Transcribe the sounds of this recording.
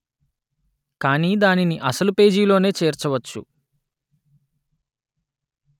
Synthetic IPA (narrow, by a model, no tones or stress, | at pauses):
kaːniːd̪aːniniʔɐsɐlupe̞ːd͡ʒiːlo̞ːne̞ːt͡ʃeːɾt͡ʃɐʋɐt͡ʃːṵ